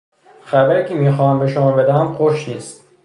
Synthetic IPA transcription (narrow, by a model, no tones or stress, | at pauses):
xæbæɾiːcʰemiːxɒːhæmbeʃomɒːbed̪æɦæmxoʃniːst̪